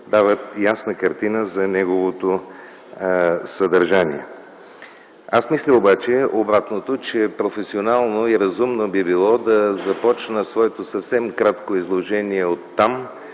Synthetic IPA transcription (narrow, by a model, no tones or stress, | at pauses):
d̪avət̪jasnəkɐɾt̪inəzɐnɛɡovot̪o | sɐd̪ɐɾʒanḭɛ̰ | asmislʲəobat͡ʃɛobɾat̪not̪ot͡ʃɛpɾofɛsionalˠnoiɾɐzumnobibilˠɔd̪ɐzɐpɔt͡ʃnəsvɔɛt̪osɐfsɛmkɾat̪koizlˠoʒɛniɛot̪ːam